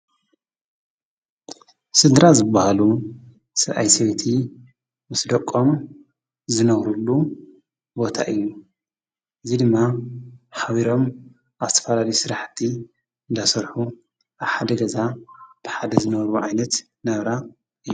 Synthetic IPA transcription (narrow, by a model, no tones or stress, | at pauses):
sɨd̪ɾazɨbahalu | sɨɾʔajsewt̪ʰi | mɨsd̪ɐkʼːo̞m | zɨnɐɣɾulːu | bo̞t̪ʰa̰ʔɨjːu | ʔɨzid̪ɨmːaħaβiɾo̞m | aβzɨ̥t̪ʰɐ̥fɐlalɐjusɨɾaħt̪ʰi | ɨnd̪asɐɾħu | ʔaβħad̪ɐɡɐzab̥ɨħad̪ɐzɨnɐβɾuʕajnɐt̪ | nɐβɾa | ʔɨjːu